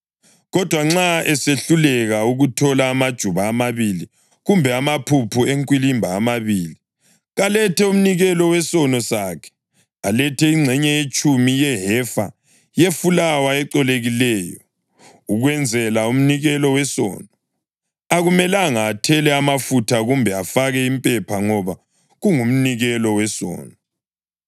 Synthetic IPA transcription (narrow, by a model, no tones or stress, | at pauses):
ɣɔd̥ʱwaŋ͡ǁaɛseɬulɛɣauɣutʰɔlaːmad̥ʒ̥ʱuβaːmaβili | ɣumbʱɛamapʰupʰueŋkʼwilimbʱaːmaβiːli | ɣalɛtɛum̩niɣɛlɔwɛsɔnɔsakʰɛ̥ | alɛtʰɛiŋ͡ǀʱɛɲɛjet͡ʃʼumijɛɦɛfa̰ | jefulawaɛǃɔleɣilɛːjɔ | uɣwɛnd͡zʱɛlaum̩niɣɛlɔwɛsɔ̰ːnɔ | aɣumɛlaŋaːtʰɛlɛamafutʰaɣumbʱɛafaɣɛimpʼɛpʰaŋɔβa | ɣuŋum̩niɣɛlɔwɛsɔ̰ːnɔ